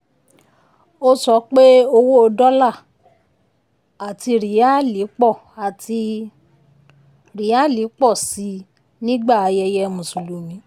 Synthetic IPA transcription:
o˦sɔ˧˦k͡pe˦o˧wo˦o˧dɔ˦la˦˨ | a˨ti˧ɾi˨˦a˦li˨˦k͡pɔ˦˨ | a˨ti˧ | ɾi˨˦a˦˨li˨˦k͡pɔ˦˨si˨˧˦ | nĩ˦ɡ͡ba˦˨a˧jɛ˧jɛ˧mũ˨su˨lu˨˦mĩ˨˦

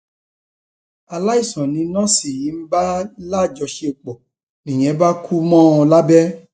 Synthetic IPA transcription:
a˧la˦i˦˨sɔ̃˨nĩ˨˧nã˦si˦˨i˨˦m̩˦ba˦la˦˨d͡ʒɔ˧ʃe˧o˨˧k͡pɔ˨ | nĩ˨j̃ɛ̃˨˦ba˦kʰu˦mɔ̃˦ɔ̃˧la˦bɛ˦

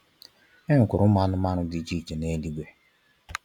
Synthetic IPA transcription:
e˦ŋ̩˨kʊ˨ɾʊ˦ma˦nʊ˦ma˦ɾʊ˦di˨˦d͡ʒi˦˨t͡ʃe˨ne˦li˦ɡʷe˦

